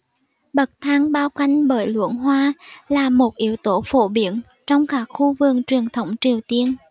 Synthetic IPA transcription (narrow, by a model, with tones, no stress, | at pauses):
ɓə˨˩t̚t̪ʰaː˧ŋɓaː˧wka˧jŋ̟ɓəː˧˩jlwɨ̰˧˥ənɦwaː˧laː˨˩mo˨˩t̚ʔi˧˦əwt̪o˧˩˦fo̰˧˩ɓi˧˩˦ən | t͡ɕɔ˧wŋ͡mkaː˦˥k̚xu˧vɨ˨˩k̚t͡ɕwi˨˩ənt̪ʰə˧˦wŋ͡mt͡ɕi˨˩əwt̪i˧ən